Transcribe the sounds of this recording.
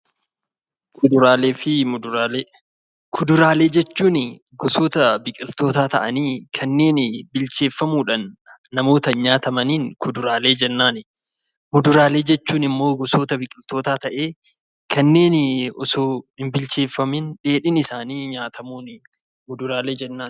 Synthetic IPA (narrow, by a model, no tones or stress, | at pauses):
kʊd̪ʊɾaːleːfɪmʊd̪ɾa | kʰʊd̪ʊɾaːle̞ːd͡ʒɛt͡ʃːuːnɪ | ɡʊsoːt̪ɐbɪkʼɪlt̪o̞ːt̪aːt̪ɐʔɐniːkʰɐnːe̞ːnɪbɪlt͡ʃe̞ːfːɐmuːᶑɐnː | ɐmo̞ːt̪ɐɲaːt̪ɐmɐniːnkʰʊd̪ʊɾaːle̞ːd͡ʒɛnːaːnɪ | mʊd̪ʊɾaːle̞ːd͡ʒɛt͡ʃːuːnɪmːo̞ːɡʊsoːt̪ɐbɪkʼɪlt̪o̞ːt̪aːt̪ɐʔe̞ː | kʰɐnːe̞ːnɪɔsoːhɪmbɪlt͡ʃe̞ːfːɐmɪnᶑe̞ːᶑɪnɪsaːniːɲaːt̪ʰɐmuːnɪ | mʊd̪ʊɾaːle̞ːd͡ʒɛnːaː